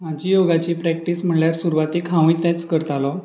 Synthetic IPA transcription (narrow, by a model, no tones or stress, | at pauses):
mad͡ʑʱiːjoɡat͡ɕiːpɾɛk̚ʈiːsm̤əɳljaɾsuɾuʋat̪ikʰãʋ̃ĩt̪ɛt͡skəɾt̪alɔ